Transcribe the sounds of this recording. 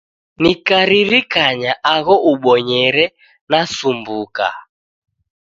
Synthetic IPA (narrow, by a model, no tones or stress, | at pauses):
nikaɾiɾikaɲaʔaɣɔʔuɓɔɲɛɾɛ | nasumbuka̰